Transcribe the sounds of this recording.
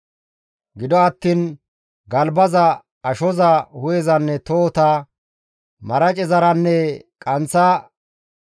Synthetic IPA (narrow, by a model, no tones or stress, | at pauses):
ɡɪd̪ɔɐt̪ːiːn | ɡɐlbɐzɐ | ɐʃɔzɐhʊjɛzɐnːɛt̪oːt̪a | mɐɾɐt͡ʃʼɛzɐɾɐnːɛkʼɐnt͡sːɐ